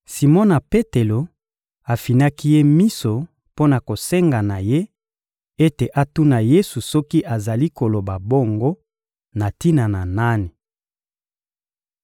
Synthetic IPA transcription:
si˨mɔ˦na˨pe˦te˨lo˨ | a˨fi˨na˦ki˦je˦mi˦so˨ | po˦na˨ko˨se˦ŋɡa˨na˨je˦ | e˦te˨ʔa˦tu˦na˨je˦su˨sɔ˦ki˦ʔa˨za˨li˦ko˨lo˨ba˨bo˦ŋɡo˦ | na˨ti˦na˨na˨na˦ni˨

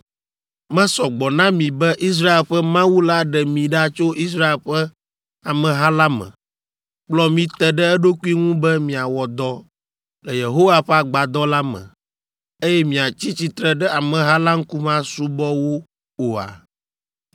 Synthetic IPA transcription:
mɛ̃˦sɔ˨ɡ͡bɔ˨nã˦mĩ˨bɛ˦ʔi˦s̬ɾa˦e˨lɸɛ˦mã˦wu˦la˦ɖɛ˨mĩ˨ɖa˦t͡ʃo˦ʔi˦s̬ɾa˦e˨lɸɛ˦ | a˨mɛ̃˨ɦa˦la˦mɛ̰̃˨ | k͡plɔ˦mĩ˦t̪ɛ˨ɖɛ˦ɛ˦ɖo˦ku˦i˦ŋũ˦bɛ˦mĩ˨a˨wɔ˨d̪ɔ˦ | lɛ˨je˨ɦo˦wa˦ɸɛ˦a˨ɡ͡ba˨d̪ɔ˦la˦mɛ̰̃˨ | e˦jɛ˦mĩ˨a˨t͡ɕi˦t͡ɕi˨t̪ɾɛ˦ɖɛ˦a˨mɛ̃˨ɦa˦la˦ŋ̩˦ku˦mã˦su˦bɔ˦wo˦ | o˨a̰˨

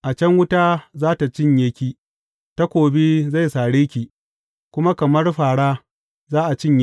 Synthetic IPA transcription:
ʔa˨t͡ʃɐ˦ŋwʊ˦taː˦zaː˦ta˨t͡ʃɪ˦ɲje˦kʲiː˦ | ta˦kʷoː˨biː˦za˦˨jsaː˨ɽeː˦kʲiː˨ | kʷʊ˦ma˦kɐ˨mɐ˦rɸaː˨ɽaː˦ | zaː˦ʔa˨t͡ʃɪ˦˨ɲj

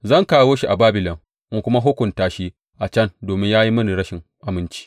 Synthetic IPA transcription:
zɐ˦˨ŋkaː˦˨woː˦ʃi˦ʔa˨baː˦bɪ˨lɔ˨ŋ | ʔɪ˨ŋkʷʊ˦ma˦ɦʊ˦kʷʊ˨ntaː˨ʃi˦ | ʔa˨t͡ʃɐ˦ndoː˨mɪ˦ɲjaː˦ji˦mɐ˦ni˨ɽɐ˦ʃɪ˨ŋ | ʔa˨mɪ˦nt͡ʃi̥ː˦

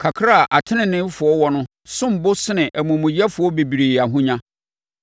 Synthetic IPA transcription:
kʰa˨kʰɾa˦˨ʔa˨tʰɪ˦nɪ̃˨nɪ̃˦fʊ˨ɔ˦wɔ˦nʊ̃˦ | sʊ̃˦m̩˨bʊ˦sɪ˦nɪ̃˨ʔæ˨mũ˨mʊ̃˨jɛ˦fʊ˨ɔ˦be˨bi˨ɾi˨a˨ɦʊ̃˦ɲã˦

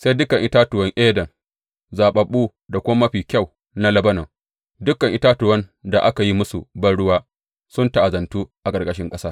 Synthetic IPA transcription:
sa˦jdʊ˦kɐ˨ŋʔɪ˦taː˦tʊ˨wɐ˦ŋʔeː˦dɐ˨ŋ | zaː˨ɓɐ˨ɓuː˦ | da˨kʷʊ˦ma˦mɐ˦ɸiː˨kʲa˦˨w | na˦lɐ˦bɐ˦nɐ˨ | dʊ˦kɐ˨ŋʔɪ˦taː˦tʊ˨wɐ˦nda̰˨ʔa˦ka˨ji˦mʊ˦su˨bɐ˦ɽʊ˦waː˦ | sʊ˦nta˦ʔa˨zɐ˨ntuː˦ʔa˨ɡɐ˨rɡʼɐ˦ʃɪ˦ŋkʼɐ˦saː˦

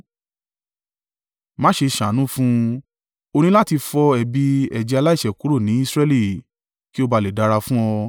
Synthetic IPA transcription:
mã˦ʃe˧ʃã˨˦nũ˦fũ˦ | o˧nĩ˦la˦ti˧fɔ˧ɛ˨bi˧ɛ˨d͡ʒɛ˧a˧la˦i˦˨ʃɛ˨ku˨˦ɾo˦˨nĩ˨˦i˦˧sɾɛ˧˦li˦˨ | ki˦o˧ba˧le˨da˧ɾa˧fũ˦ɔ˧

